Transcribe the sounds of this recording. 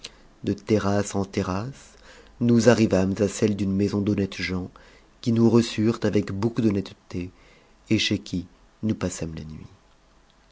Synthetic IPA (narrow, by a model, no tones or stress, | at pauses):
d̪ət̪eʁasɑ̃t̪eʁas | nuzaʁivamzasɛld̪ynmezɔ̃d̪ɔnɛt̪ʒɑ̃ | kʲinuʁəsyʁt̪avɛkbokud̪ɔnɛt̪t̪e | eʃekʲi | nupasamla̰nɥḭ